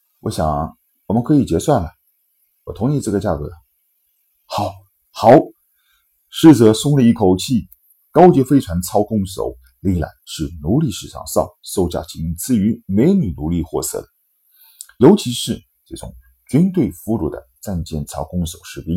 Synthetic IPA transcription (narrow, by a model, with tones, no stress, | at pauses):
wɔ̰˧˥ɕjɑ̰˨˩˦ŋ | wɔ˨˩mə˦nkʰɤ˧˥i˨˩t͡ɕjɛ˧˥swa˥˩nlə˨˩ | wɔ˨˩t̪ʰʊ˧˥ŋi˧˥ʈ͡ʂɤ˥˩ɡə˩t͡ɕja˥˩kɤ˧˥˩ | xɑ˨˩˦ʊ | xɑ˨˩˥ʊ | ʂɻ̩˥˩t͡sɤ˧˥sʊ˥ŋlə˧i˥˩kʰo˨˩ʊt͡ɕʰi˥˩ | kɑ˥ʊt͡ɕjɛ˧˥fe˥ɪʈ͡ʂʰwa˧˥nt͡sʰɑ˥ʊkʊ˥ŋso̰˨˧˩ʊ | li˥˩la̰˨˩ɪʂɻ̩˥˩nu˧˥li˥˧ʂɻ̩˥˩ʂɑ̰˥˧˩ŋsɑ̰˥˩ŋso˥˧ʊt͡ɕja̰˥˩t͡ɕʰi˧˥ŋ˥˧t͡sɹ̩˥˩y˧˥me˧˥ɪ˧ny˨˩nu˧˥li˥˧xwɔ˥˧sɤ̰˥˩d̪ə˩˦ | jo˧˥ʊt͡ɕʰi˧˥ʂɻ̩˥˧ | ʈ͡ʂɤ˥˩ʈ͡ʂʊ̰˨˩˦ŋ | t͡ɕy˥nt̪we˥˩ɪfu˧˥lu˨˩d̪ə̰˦t͡sa˥˧nt͡ɕjɛ˥˧˩nt͡sʰɑ˥ʊkʊ˥ŋso˨˩ʊʂɻ̩˥˩pi˥ŋ